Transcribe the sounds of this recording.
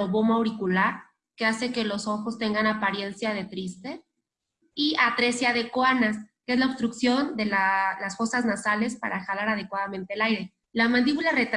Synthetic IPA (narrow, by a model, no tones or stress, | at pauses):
oβomawɾikulaɾ | ke̞ase̞ke̞lo̞so̞xo̞st̪e̞ŋɡanapaɾje̞nsjað̞e̞t̪ɾist̪e̞ | iat̪ɾe̞sjaðe̞kwoanaskee̞zlaoβ̥st̪ɾuksjo̞nd̪e̞lalasxo̞saznasale̞spa̰ɾaxalaɾað̞e̞kwaðamẽnt̪elajɾe̞ | lamãnd̪iβulare̞t̪